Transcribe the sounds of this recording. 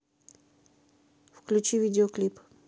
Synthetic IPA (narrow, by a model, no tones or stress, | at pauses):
fklʲʉt͡ɕivʲidʲɪoklʲip